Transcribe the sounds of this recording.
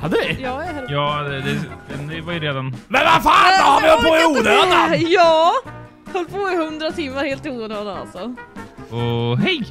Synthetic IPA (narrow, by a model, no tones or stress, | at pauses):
had̪ːəvɪjɑːɛhɛjɑːd̪ɛd̪ɛd̪ɛnɪvajəɾeːd̪anmɛnvafaːnɔhaɾvɪhœlpʰoːɪuːd̪əøajɑː | hœlːpʰoːɪhɵnd̪ɾat̪ʰɪmːaɾheːlt̪ɪoːnɔːna̰lsɔ | ɔɦɛj